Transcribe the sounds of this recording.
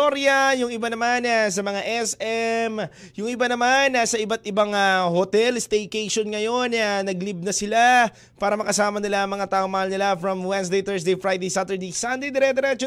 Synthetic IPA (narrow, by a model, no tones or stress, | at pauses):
oɾjɐjʊŋɪbanɐmanas̬ɐmɐŋaʔɛsɛm | jʊŋɪbanɐmanasɐʔɪbat̪̚ʔɪbaŋahot̪ɛlst̪ɛjkejʃo̞nŋɐjo̞nanɐɡlib̚nɐsɪla | paːɾɐmɐkɐsaːmɐnɪlaʔɐŋmɐŋat̪aːʔoŋmɐhalnɪlafɾɐmwɛns̬d̪ejt̪ɛɹs̬d̪ejfɹajd̪ejsat̪ɛɹd̪esand̪ejd̪ɛɾɛd̪ɛɾɛt͡ʃo